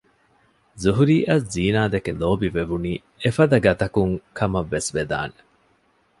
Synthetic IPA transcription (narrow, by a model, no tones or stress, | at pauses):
zuɦuɾiːʔɐsziːnaːd̪ekeloːbiʋeʋuniː | efɐd̪ɐɡɐt̪ɐkuŋkʰɐmɐʋːesʋed̪a̰ːne̥